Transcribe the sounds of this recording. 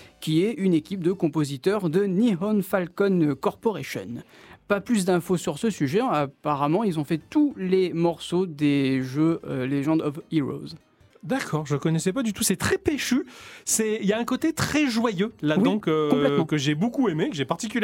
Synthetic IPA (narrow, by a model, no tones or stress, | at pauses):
kʲiɛynekʲip̚d̪əkɔ̃pozit̪œʁd̪əniɦɔnfalkɔnkɔʁpɔʁeʃɔ̰n | paplys̬d̪ɛ̃fosyʁsəsyʒɛ̃apaʁamɑ̃ilzɔ̃fɛt̪ulemɔʁsod̪eʒøøleʒɑ̃d̪ɔfiʁo̰z | d̪akʰɔːʁʒəkɔnɛsɛpad̪yt̪usɛt̪χɛpeʃysɛiljaɛ̃kot̪et̪χɛʒwajølad̪ɑ̃kəkkəʒebokuemekəʒepaʁt̪ik̬ʲyl